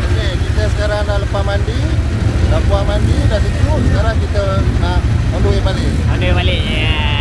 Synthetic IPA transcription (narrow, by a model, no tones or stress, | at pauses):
kekit̪əsə̥kaɾaŋnahlupamandi | napuamandidas̬it̪usəkaɾaŋkit̪ənamɔndoebalemɔnɖoebale